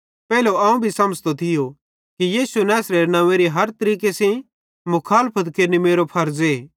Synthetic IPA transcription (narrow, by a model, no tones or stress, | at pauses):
pɛːloɐ̃ũbʱisɐməd͡ʒt̪ot̪ʰɪjo | kijiːsunɛːsɾeɾnɐ̃ʋẽɾiɦɐɾt̪ɐɾiːkesẽ | mʊkʰaːlpʰət̪keːɾnimeːɾopʰɐɾd͡ze